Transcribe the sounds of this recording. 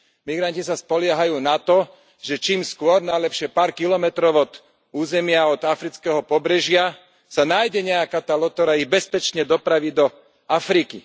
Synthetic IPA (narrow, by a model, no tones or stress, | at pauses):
miɡɾancisaspɔlɪɛɦajuːnat̪ɔ | ʒɛt͡ʃiːmskʊɔɾnalɛpʃɪɛpaːɾkilɔmɛt̪ɾɔʊɔt̪ | uːzɛmɪaɔd̪afɾit͡skɛɦɔpɔbɾɛʒɪa | sanaːjɟɛɲɛakaːt̪aːlɔt̪ɔɾaibɛspɛt͡ʃɲɛd̪ɔpɾaʋid̪ɔ | afɾiki